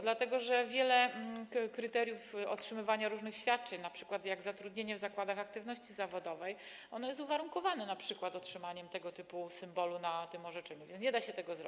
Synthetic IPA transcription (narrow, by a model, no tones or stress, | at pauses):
d̪lat̪ɛɡɔʐɛvʲjɛlɛkɾɘt̪ɛɾʲjufɔ̰tʂɘmɘvaɲaɾuʐnɘxɕfʲjat̪̚t͡ʂɛɲnapʂɘ̥kwat̪jaɡzat̪ɾud̪ɲeɲɛvzakwad̪axak̚t̪ɘvnɔɕt͡ɕizavɔd̪ɔvɛj | ɔnɔjɛst̪uvaɾuŋkɔvanɛnapʂɘkwat̪ɔtʂɘmaɲɛmt̪ɛɡɔt̪ɘpusɘmbɔlunat̪ɘmɔʐɛt͡ʂɛɲuvʲjɛnɲɛd̪aɕɛt̪ɛɡɔzɾɔ̰bi̥